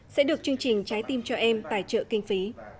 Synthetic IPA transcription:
sɛ̰˧˥ɗɨ˨˩ək̚t͡ɕɨ˧əŋt͡ɕï˨˩ŋ̟t͡ɕaː˨˦jt̪i˧mt͡ɕɔ˧ʔɛ˧mt̪a̰ː˧˩jt͡ɕə̰ː˧˨kï˧ŋ̟fi˨˦

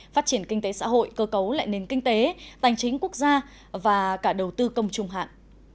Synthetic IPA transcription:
faː˦˥t̚t͡ɕi˧˩ənkï˧ŋ̟t̪e˨˦sa̰ː˧˥ɦo̰˧˨jkəː˧kə˨˦wla̰ː˧˨jne˨˩nkï˧ŋ̟t̪e˨˦t̪a˨˩jŋt͡ɕï˨˦ŋ̟ku˦˥ək̚zaː˧ | vaː˨˩kaː˧˩ɗə˨˩wt̪ɨ˧kə˧wŋ͡mt͡ɕʊ˧ŋ͡mɦa̰ː˧˨nʔ

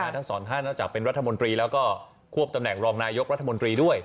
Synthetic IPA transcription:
t̪ʰa˦˥ŋsɔː˩˦nt̪ʰa˥˩nːɔː˥˩t͡ɕaː˨˩k̚pe˧nɾa˦˥t̪ʰːa˧mo˧nt̪ɾiː˧lɛː˦˥wkɔː˥˩ | kʰu˥˩əp̚t̪a˧mnɛ˨˩ŋɾɔː˧ŋnaː˧jo˦˥k̚ɾa˦˥t̪ʰːa˧mo˧nt̪ɾiː˧du˥˩əj

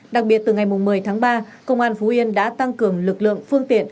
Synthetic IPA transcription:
ɗa˨˩k̚ɓi˨˩ət̚t̪ɨ˨˩ŋa˨˩jmʊ˨˩ŋ͡mmɨ˨˩əjt̪ʰaː˨˦ŋɓaː˧kə̰˧wŋ͡mʔaː˧nfu˨˦ʔi˧ənɗa̰ː˧˥t̪a˧ŋkɨ˨˩əŋlɨ˨˩k̚lɨ̰˧˨əŋfɨ˧əŋt̪ḭ˧˨ən

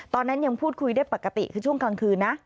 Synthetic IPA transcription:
t̪ɔ˧˨na˧˥ɲə˨˧˦mpʰu˦˥t̚kʰwi˧˦de˦˥pːa˨˧˩kːa˧˩t̪ḭ˧˨kʰɨ˨˧˦t͡ɕʰu˧˥əŋka˧˩ŋkʰɨ˨˧˩na˨˧˦

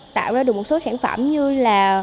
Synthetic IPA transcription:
t̪a̰ː˧˨wzaː˧ɨ˨˩ək̚o˨˩t̚so˨˦saː˧˩nfə̰˧˩mɲɨ˧laː˨˩

